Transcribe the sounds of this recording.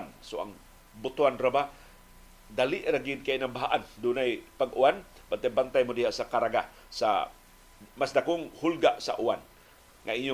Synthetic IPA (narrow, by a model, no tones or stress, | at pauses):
nsua̰ŋ | but̪uanrəba | daliʔɾaɡinkajnambaɦaʔandunajpəɡuanb̥ant̪ajbant̪ajmudiɦasakaɾaɡa | sa̰ | masdakʊŋhulɡaʔsa̰ʔuan | ŋaiɲu